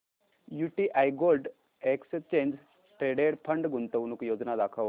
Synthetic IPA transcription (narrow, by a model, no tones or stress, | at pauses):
juʈiʔajɡolɖ | ekst͡ɕẽɲd͡ʑ | ʈɾeɖeɽpʰəɳɖɡunt̪əʋnukjod͡znad̪akʰəʋ